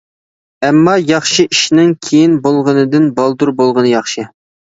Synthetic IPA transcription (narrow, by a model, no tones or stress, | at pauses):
ɛmːɑjɑχʃɨʔiʃnɪŋkʲʰejinbolˠʁənɨd̪ɨnbɑlˠd̪uɾbolˠʁənɨjɑχʃɨ